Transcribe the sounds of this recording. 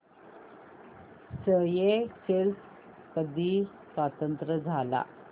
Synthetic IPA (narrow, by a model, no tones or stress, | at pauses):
səjekels | kəd̪ʱiː | sʋat̪ənt̪ɾəd͡zʱala̰